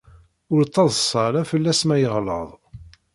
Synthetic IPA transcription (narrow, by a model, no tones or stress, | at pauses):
ʊɾt͡sˤːɑðˤəsˤɑɾæfəlːæsmæjəʁlə̰ðˤ